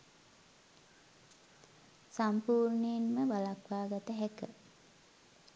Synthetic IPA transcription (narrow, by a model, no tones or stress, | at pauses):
sampuːɾɳejinməʋalakʋaːɡat̪əɦækə